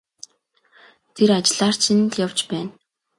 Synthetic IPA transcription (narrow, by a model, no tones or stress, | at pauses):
t̪ʰeɾat͡ɕɮaːr̥t͡ɕʰɪ̆nt̪jawt͡ɕpæːn